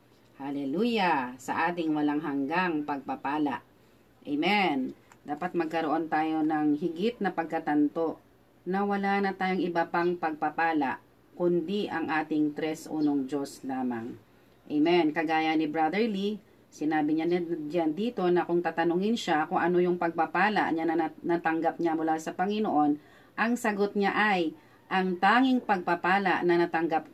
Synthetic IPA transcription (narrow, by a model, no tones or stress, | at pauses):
halɛlujasɐ̰ʔaːt̪̬ɪŋwɐlaŋɦɐŋɡaŋpɐɡ̚pɐpaːla̰ʔ | ʔɛmɛnd̪aːpɐt̪̚mɐɡ̚kɐɾoʔo̞nt̪aːjo̞nɐŋɦɪɡɪt̪̚nɐpɐɡ̚kɐt̪ɐnt̪o̞ʔ | nɐwɐlanɐt̪aːjoŋʔɪbapaŋpɐɡ̚pɐpaːlɐʔ | kʊnd̪iʔɐŋʔaːt̪ɪŋt̪ɾɛsʔṵːnoŋd͡ʒo̞slaːmɐŋ | ʔɛjmɛnkɐɡaːjɐnɪbɾad̪ɛɹli | sɪnaːbɪɲaand̪iːt̪o̞nɐkʊŋt̪aːt̪ɐnʊŋɪnʃakʊŋʔɐno̞jʊŋpɐɡ̚pɐpaːlɐ̰ʔɲannɐt̪ɐŋɡap̚ɲamʊlaːsɐpɐŋɪnoʔo̞n | ʔɐŋsɐɡot̪̚ɲaʔaj | ʔɐŋt̪aːŋɪŋpɐɡ̚pɐpaːlɐ̰ʔnɐnɐt̪ɐŋɡap̚